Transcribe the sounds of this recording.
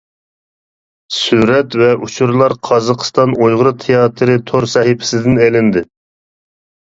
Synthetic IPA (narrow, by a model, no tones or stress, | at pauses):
syɾɛt̪vɛʔut͡ʃʰuɾlˠɑɾqʰɑzɑqʰə̥st̪ɑnojʁʊɾɨt̪ʰejɑt̪ʰɨɾɨt̪ʰoɾsɛhɪpʰɪ̥sɪd̪ɪnɛlɪnd̪ɪ